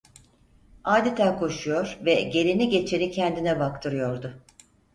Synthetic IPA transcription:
aːd̪e̞t̪ʰæːkʰo̞ʃujo̞ɾvɛɟe̞ɾiniɟe̞t͡ʃʰe̞nicʰɛnd̪inɛbak̚t̪ʰɯɾɯjo̞ɾd̪ʊ

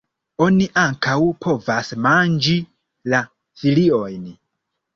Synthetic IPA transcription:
o̞niʔaŋkawpʰo̞vasmand͡ʒi | la | filio̞jn

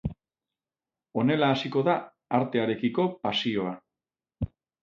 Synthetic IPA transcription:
o̞ne̞laːsiko̞ða | aɾt̪e̞aɾe̞kiko̞pasio̞a

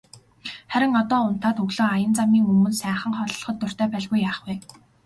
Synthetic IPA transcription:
χæɾʲɪ̆ŋɔt̪ɔːʊn̥t̪aːt̪ɵɣɮoːajə̆nt͡samiːŋɵmɵ̆nsæːχə̆ɴχɔɮɞ̆ɮχɞ̆t̪ːɵr̥t̪æːpæɮɣujːaːχwuː

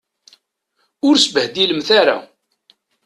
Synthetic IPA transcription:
ʊɾsəbəhd̪iləmθaɾa̰

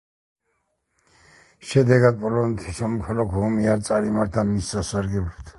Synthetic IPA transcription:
ʃɛd̪ɛɡad̪̚pʼɔlɔnɛt̪ʰisɔmɔkʰalɔkʰhɔmiaɾt̪sʼaɾimaɾt̪ʰamisʼasaɾɡɛlɛbt̪ʰ

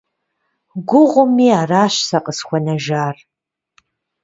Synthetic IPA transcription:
ɡʷʊʁʷʊmiːaːraːɕsɐqʼəsxʷɔnɐʒaːr

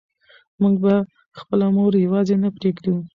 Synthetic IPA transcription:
muŋɡ̚ba | xpəlamoɾjawɑzenapɾeɡd̪i

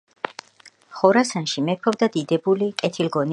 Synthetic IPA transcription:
χɔɾasanʃimɛpʰɔvd̪ad̪id̪ɛbulikʼɛt̪ʰilɡɔn

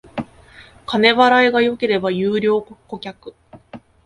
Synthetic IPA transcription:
kane̞βaɾaiɡajo̞ke̞ɾe̞bajɯːɾʲo̞ːkko̞kʲakɯ̟̥

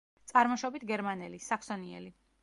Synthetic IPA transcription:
t̪sʼaɾmɔʃɔbit̪ʰɡɛɾmanɛlisakʰsɔniɛ̰li

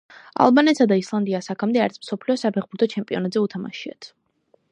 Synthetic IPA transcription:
a̰lˠbanɛt̪sad̪aislˠand̪iasakʰamd̪ɛaɾt̪sʰmsɔpʰliɔsapʰɛχbuɾt̪ʰɔt͡ʃʰɛmpʼiɔnad̪zɛut̪ʰama̰ʃia̰t̪ʰ

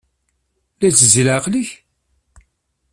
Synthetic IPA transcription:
læt͡səzlæqləç

